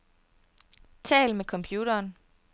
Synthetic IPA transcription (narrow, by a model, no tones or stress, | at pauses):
t͡sʰɛ̰ːlmekʰɒ̽mpʰjuːɾɐːn